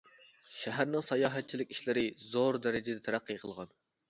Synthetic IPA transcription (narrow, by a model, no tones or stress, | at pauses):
ʃæɦæɾnɪŋsɑjɑːɦɛt̪̚t͡ʃʰilɪkʲiʃlɪɾɪzoɾd̪ɛɾɪd͡ʒɪd̪ɛt̪ʰæɾæqːijqʰəlˠʁɑn